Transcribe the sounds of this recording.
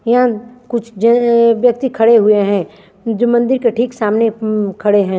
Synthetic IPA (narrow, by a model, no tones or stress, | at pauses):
jɐɦãkʊt͡ʃʰd͡ʒʋjɐk̚t̪ikʰɐɽeɦueɦɛ̃ː | d͡ʒoːmɐ̃nd̪ɪɾkeʈʰiːksaːmnekʰɐɽeɦɛ̃ː